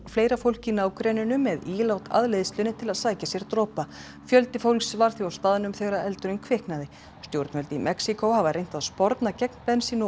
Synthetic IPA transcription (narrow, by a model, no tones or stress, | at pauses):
fleːjɾafowl̥cɪnaːwkɾɛnɪnʏmːɛðilawt̪ʰa̰ðlejðɪst̪lʏːnɪt̪ʰɪlaðsaːjcasjɛɾ̥t̪ɾɔːpa | fjœlt̪ɪfowlksvaɾ̥θiawst̪aːðɪnʏmθɛɣɾaɛlt̪ʏɾɪnkʰvɪhknaðɪ | st̪jowɾt̪nmœlt̪ɪimʔɛksikowhavaɾrejnt̪aðspɔɾt̪nacɛknpɛnsiːnʊ